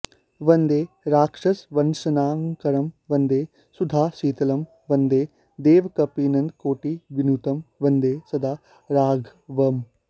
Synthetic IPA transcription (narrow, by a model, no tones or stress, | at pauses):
ʋɐnd̪eː | ɾaːkʂɐsʋɐnsɐnaːŋkɐɾɐmʋɐ̃nd̪eː | sud̪ʱaːsiːt̪ɐlɐm | ʋɐnd̪eː | d̪eːʋkɐpiːnɐ̃nd̪koːʈiʋinut̪ɐmʋɐnd̪eːsɐd̪aː | ɾaːɡʱʋɐm